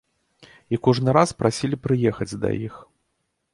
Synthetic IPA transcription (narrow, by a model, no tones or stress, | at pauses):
ikɔʐnɨɾaspɾasʲilʲipɾɨjɛxɐd͡zʲd̪ɐ̰jix